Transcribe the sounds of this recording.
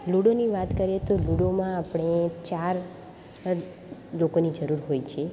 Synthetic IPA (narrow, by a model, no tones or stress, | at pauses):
luɽoniʋat̪kəɾet̪oluɽomãapɳ̃et͡ʃaɾ | lokonid͡ʒəɾuɾɦojt͡ʃʰe